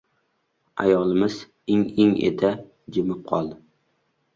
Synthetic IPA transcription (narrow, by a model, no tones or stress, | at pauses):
a̰jɒlˠɪmɪz̥ | ɪŋɪŋḛt̪ʰa | d͡ʒɪmɪp̚qʰɒ̰lˠ